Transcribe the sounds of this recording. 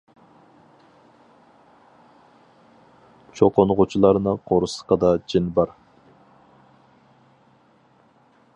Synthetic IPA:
t͡ʃʰoqonʁut͡ʃʰulˠɑɾnɨqʰoɾusə̥qɑd̪ɑd͡ʒinbɑɾ

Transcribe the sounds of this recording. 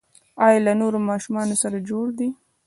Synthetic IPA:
ɑjɑlanoɾomɑʃumɑnosaɾad͡ʒoɽd̪i

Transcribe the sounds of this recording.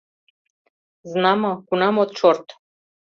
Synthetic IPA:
znamakunamot̪̚t͡ʃoɾt̪

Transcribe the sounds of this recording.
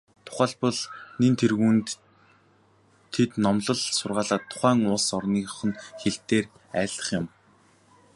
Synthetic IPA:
t̪ʰʊ̥χæːɮpɔ̆ɮnent̪ʰerɣuːnt̪ | t̪ʰːet̪nɔmɮɞ̆ɮsʊrʁaːɮaːt̪ʰːʊ̥χæːŋʊsɔrniːχɞ̆nxeɬt̪eːr | æːɮə̥̆χjɪ̆m

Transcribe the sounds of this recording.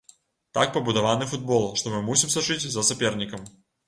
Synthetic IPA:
t̪a̰k̚pɐbud̪ɐvanɨfud̪̚bɔlˠʂt̪ɔmɨmusʲimsɐt͡ʂɨt͡sʲzɐsɐpʲɛrnʲikɐm

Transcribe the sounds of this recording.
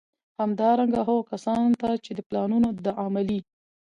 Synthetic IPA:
hamd̪ɑɾaŋɡaɦoɣkasɑnt̪at͡ʃed̪əplɑnunod̪əʔɑmali

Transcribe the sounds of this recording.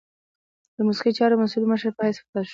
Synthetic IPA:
d̪̥əmʊsiqit͡ʃɑɾomasulməʃəɾpəhastaʃ

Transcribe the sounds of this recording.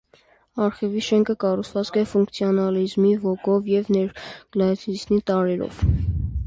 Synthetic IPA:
ɑɾχɛviʃɛŋkʰəkɑrut͡sʰvɑt͡skʰɛfuŋkʰt͡sʰiɔnɑlizmivɔɡɔvjɛvnɛɾɡ̥lɑt͡sʰisnit̪ɑɾɛɾɔ̰v̥

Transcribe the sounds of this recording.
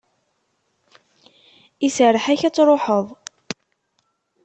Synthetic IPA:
isəɾəħæçæt͡sːɾˤoħəðˤ

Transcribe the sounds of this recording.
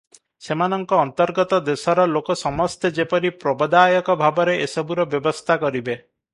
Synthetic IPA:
semanɔŋkɔːnt̪ɔɾɡɔt̪ɔd̪esɔɾɔlokɔsɔmɔst̪ʰed͡ʒepɔɾipɾɔbɔd̪ajɔkɔbʱabɔɾeʔesɔbuɾɔbjɔbɔst̪ʰakɔɾibe

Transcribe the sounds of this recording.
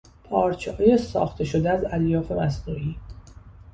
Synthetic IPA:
pʰɒːɾt͡ʃʰehjesɒ̰ːxt̪ʰe̞ʃo̞d̪eæzæljɒːfe̞mæsnuːʔiː

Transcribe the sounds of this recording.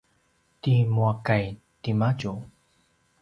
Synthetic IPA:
timuakaj | timad͡ʒu

